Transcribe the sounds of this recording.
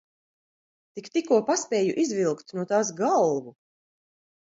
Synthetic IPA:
t̪ikt̪ikuɔpaspʲɛːjuʔizvilˠkt̪nuɔt̪aːs̬ɡalˠvu

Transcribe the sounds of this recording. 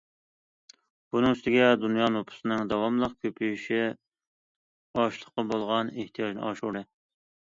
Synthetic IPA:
b̥unɨŋyst̪ɪɡʲɛd̪unjɑnopʰʊ̥sɨnɨŋd̪ɑwɑmlˠəq̚kʲʰøpʰyjiʃi | ɑʃlˠəχqːɑbolˠʁɑneht̪ʰijɑd͡ʒnɨ̰ɑʃuɾd̪ɨ

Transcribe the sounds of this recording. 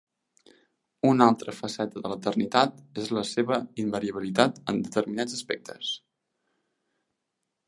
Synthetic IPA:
unalˠt̪ɾəfəsɛt̪əðələt̪ərnit̪at̪ezləseβəimbəɾiəβilit̪at̪ə̰nd̪ət̪əɾminad͡zəspɛk̚t̪ʰəs

